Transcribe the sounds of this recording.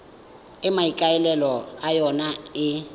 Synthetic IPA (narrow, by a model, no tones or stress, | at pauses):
ɪmaikʼaɛlɛlɔajɔnaɪ